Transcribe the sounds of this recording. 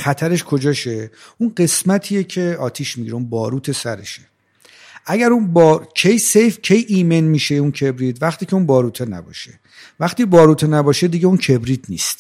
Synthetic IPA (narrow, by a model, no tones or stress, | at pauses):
xæt̪ʰæɾe̞ʃkʰo̞d͡ʒɒːʃeunɢe̞smæt̪ʰiːjecʰe̞ɒːt̪ʰiːʃmiɟiɾeunbɒːɾuːt̪ʰe̞sæɾḛʃe | ʔæɟæɾunbɒcʰejsejfcʰe̞jʔiːme̞nmiːʃeuncʰe̞bɾiːt̪væχt̪iːcʰe̞unbɒːɾuːt̪ʰenæ̰bɒ̰ːʃe | væχt̪iːbɒːɾuːt̪ʰenæbɒːʃed̪iɟe̞uncʰe̞bɾiːt̪niːst̪